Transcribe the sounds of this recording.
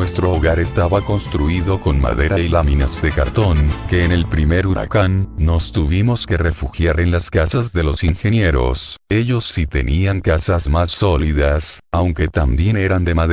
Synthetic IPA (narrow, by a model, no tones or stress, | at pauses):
nwe̞st̪ɾo̞ːɣaɾe̞st̪aβako̞nst̪ɾuiðo̞ko̞nma̰ðe̞ɾajlaminazðe̞kaɾt̪o̞ŋke̞ːne̞lpɾime̞ɾuɾa̰kanːo̞st̪uβimo̞ske̞re̞fuxjaɾe̞nlaskasazðe̞lo̞sinxe̞nje̞ɾo̞̰se̞ʎo̞sːit̪e̞̰nʔiaŋkasazmasːo̞liðasawŋke̞t̪ambje̞ne̞ɾand̪e̞maðe